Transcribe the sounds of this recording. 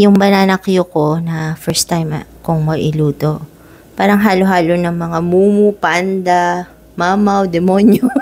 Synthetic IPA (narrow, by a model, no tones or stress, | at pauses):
jʊŋbɐnanɐkjoko̞nɐfɛɹst̪ːajmkʊŋmɐɡʔɪluːt̪o̞ | paːɾɐŋɦaːloɦaːlonɐŋmɐŋamuːmupand̪ɐ | maːmɐwd̪ɛmonjo